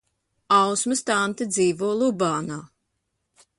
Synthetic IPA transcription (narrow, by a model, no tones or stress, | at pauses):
awsmɨst̪ant̪ɨd̪ziːvuɔlˠubaːnaː